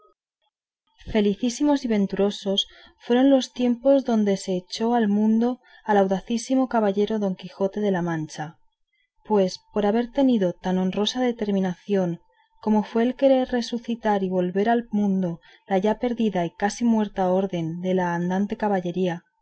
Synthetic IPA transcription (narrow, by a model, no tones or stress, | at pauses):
fe̞liθisimo̞siβ̞ẽ̞nt̪uɾo̞so̞s | fwe̞ɾo̞nlo̞st̪je̞mpo̞zðo̞nd̪e̞se̞ːt͡ʃo̞almũnd̪o̞ | alawðaθisimo̞kaβaʎe̞ɾo̞ðo̞ŋkixo̞t̪e̞ð̞e̞lamãnt͡ʃa | pwe̞spo̞ɾaβ̞e̞ɾt̪e̞niðo̞t̪ano̞nro̞saðe̞t̪e̞ɾmĩnaθjo̞ŋ | ko̞mo̞fwe̞ːlke̞ɾe̞ɾre̞suθit̪aɾiβo̞lβe̞ɾalmũnd̪o̞ | laʝape̞ɾðiðaikasimwe̞ɾt̪ao̞ɾðe̞nd̪e̞laːnd̪ant̪e̞kaβaʎe̞ɾia